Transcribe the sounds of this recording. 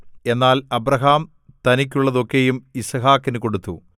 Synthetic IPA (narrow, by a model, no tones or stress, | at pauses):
e̞nːaːlɐbɾɐɦaːm | t̪ɐnik̬ʲːuɭːɐðo̞kːejumisɐɦaːkːinɨko̞ɽut̪ːu